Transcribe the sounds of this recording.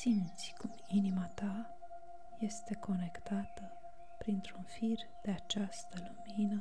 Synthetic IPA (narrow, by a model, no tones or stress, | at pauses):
simt̪sʲkum | inimat̪a | je̞st̪e̞ko̞ne̞kt̪at̪ə | pɾint̪ɾunfir | d̪̥e̞at͡ʃast̪əluminə